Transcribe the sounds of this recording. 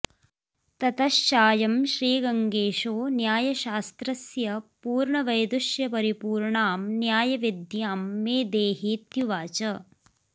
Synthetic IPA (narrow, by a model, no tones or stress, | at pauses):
t̪ɐt̪ɐʃt͡ʃaːjɐmʃɾiːɡɐŋɡeːʃoːnjaːjɐʃaːst̪ɾɐsjɐpuːɾɳɐʋɐjd̪uʃjɐpɐɾipuːɾɳaːmnjaːjɐʋid̪ʱjamːeːd̪eːɦit̪juʋaːt͡ʃɐ